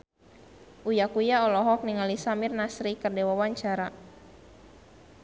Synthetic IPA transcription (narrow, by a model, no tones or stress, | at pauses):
ʔujakujaɔlɔɦɔk̚niŋalisamirnasɾikərdewawaɲt͡ʃaɾa